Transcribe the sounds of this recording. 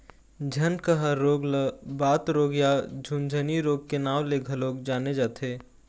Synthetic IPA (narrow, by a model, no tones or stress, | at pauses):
d͡ʒʱɐnkəɦəɾoːɡləbaːt̪ɾoːɡjad͡ʒʱund͡ʒʱəniɾoːɡ̚kenaːʋleɡʱɐloːɡd͡ʒaːned͡ʒaːt̪ʰeː